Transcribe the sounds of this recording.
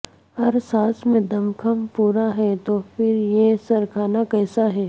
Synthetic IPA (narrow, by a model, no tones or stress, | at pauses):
hɐɾsaːsmẽd̪ɐmkʰəmpuːɾaɦɛt̪oːpɪɾjesɐɾkʰaːnakɛːsaɦɛː